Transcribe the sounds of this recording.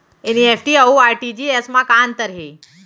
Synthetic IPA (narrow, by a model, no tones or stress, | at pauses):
eniefʈiauaɾʈid͡ʑiesmakaːnt̪əɾɦe